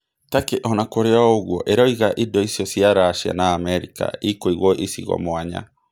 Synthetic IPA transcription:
takeʔɔnakoɾeaoɣwɔʔeɾɔiɣaʔidɔisjɔsiaɾaːʃia̰naːmɛɾika̰ikoiɣwɔʔisḭɣɔ̰moaɲa̰

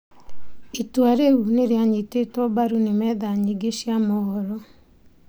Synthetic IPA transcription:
etwaɾeuneɾeaɲetetɔbaɾunemɛːðaɲiɡeʃjamɔɣɔɾɔ

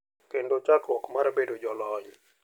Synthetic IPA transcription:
kendot͡ʃakɔkmaɾbedod͡ʒɔlɔɲ

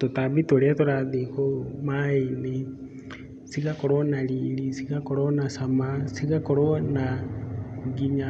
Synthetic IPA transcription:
totabitoɾeatoɾaðikomaene | siɣakɔɾɔnaliːɾisiɣakɔɾɔnasamasiɣakɔɾɔna | uɡiɲa

